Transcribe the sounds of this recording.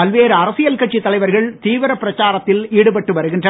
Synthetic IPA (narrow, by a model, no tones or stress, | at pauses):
ɐlʋeːɾɐɾɐsɪjɐlkɐʈ̚t͡ʃːit̪ːɐlɐɪʋɐɾɣɐɭt̪iːʋɪɾɐpːɪɾɐt͡ʃːaːɾɐt̪ːɪliːɽɯpɐʈːɯʋɐɾɯɣɪndrɐ